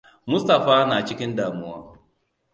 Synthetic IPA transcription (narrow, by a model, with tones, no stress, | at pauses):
mʊ˦stɐ˨ɸaː˦naː˨t͡ʃɪ˦kʲɪ˦ndaː˨mʊ˦waː˦